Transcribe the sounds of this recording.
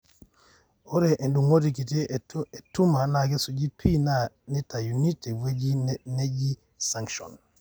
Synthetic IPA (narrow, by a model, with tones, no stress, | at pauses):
o˦ɾe˨ʔe˨ndu˨ŋo˦ti˨ki˨te˦e˨tu˦ma˨na˨ɡe˦su˨d͡ʒi˦pʰi˦na˦˨ | ni˦ta˨ju˨ni˦te˨we˦d͡ʒi˦ne˦d͡ʒi˦ | sa˦ŋkʃɔ̰˨n